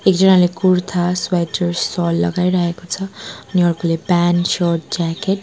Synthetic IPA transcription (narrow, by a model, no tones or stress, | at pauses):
ekd͡zʌnalekuɾt̪ʰaswajʈʌɾɔlːʌ̰ɡajɾʌɦekot͡sʰʌːniʌrkʰolepansʌrʈ̚d͡zakeʈ